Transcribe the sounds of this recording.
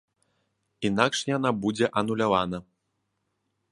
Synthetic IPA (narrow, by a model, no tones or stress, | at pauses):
inakʂjanabud͡zʲɛʔɐnulʲavanɐ